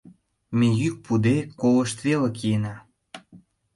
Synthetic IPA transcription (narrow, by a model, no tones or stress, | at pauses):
mejyk̚pud̪ekoləʃt̪βelĕkʰienɑ